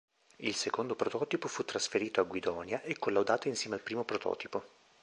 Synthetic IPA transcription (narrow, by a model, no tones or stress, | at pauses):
ilsekond̪opɾot̪ɔːt̪ipofut̪ːɾasfeɾiːt̪oaɡwid̪ɔːnjaʔekːolːawd̪aːt̪oinsjɛːmealpɾiːmopɾot̪ɔ̰ːt̪ipo